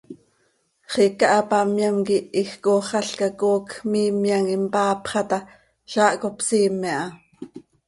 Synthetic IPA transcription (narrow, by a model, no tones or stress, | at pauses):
χikɑʔɑpɑmjɑmkiʔixkoχɑɬkɑkoːkmiːmjɑŋimpɑːpχɑt̪ɑ | ʃɑːʔkopsiːmːɛʔɑ